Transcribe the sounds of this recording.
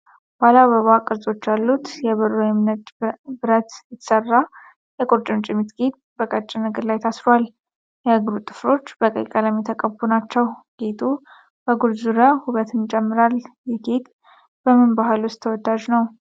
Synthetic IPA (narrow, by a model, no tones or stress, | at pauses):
b̥alaβəβakʼɨɾzʼo̞t͡ʃːjalːut̪jɛβɨɾojɛmnət̪bɨɾət̪jɛt̪ʰsərːa | jɛkʼoɾt͡ʃʼɪnt͡ʃʼɪmit̪ɡet̪̚bəkʼət͡ʃʼːɪnəɡəɾlajt̪ʰasfal | jɛhəɡɾut̪ʼːɨ̥flo̞t͡ʃːb̥əkʼə̰kʼələmit̪ʰəkʼəbunat͡ʃːɛwɡ̥et̪ʰu | b̥əɡulzuɾəhuβət̪ʰɨnt͡ʃʼɛmːɨɾal | jɛɡet̪ | b̥əmɨnbaɦɨlwʊst̪ʰːəwɔd̪ːad͡ʒnəw